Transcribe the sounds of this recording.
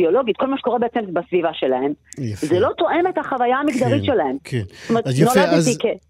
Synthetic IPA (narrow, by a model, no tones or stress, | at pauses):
bio̞lo̞ɡit̪̚kolmaʃe̥ko̞ʁebeet͡sembasvivaʃe̞laemzelo̞t̪o̞ʔe̞me̞t̪haχavajaːmikd̪aʁit̪ʃe̞lahemkʰttomeʁenolad̪eike